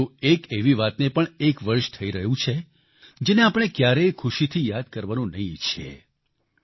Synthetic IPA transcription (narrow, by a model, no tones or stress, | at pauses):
ũekeʋiʋat̪nepəɳekʋəɾʃt̪ʰəiɾəɦũt͡ʃʰe | d͡ʒeneapəɽ̃ekjaɾejkʰʊʃit̪ʰijad̪̚kəɾʋanũnəɦĩt͡ʃʰḛ